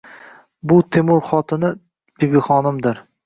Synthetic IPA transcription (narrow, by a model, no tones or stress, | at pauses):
bʊt̪ʰemʊɾχɒt̪ʰɪnɪ | b̥ebiχɒnɪmd̪ɪɾ